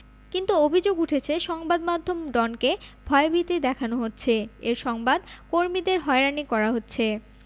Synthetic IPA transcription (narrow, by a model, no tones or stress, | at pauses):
kint̪uobʱid͡ʑoɡuʈʰet͡ɕʰeʃɔŋbad̪mad̪ʱːomɖɔnkebʱɔebʱit̪id̪ɛkʰanoɦotːɕʰeeɾʃɔŋbad̪koɾmid̪eɾɦɔeɾanikɔɾaɦotːɕʰe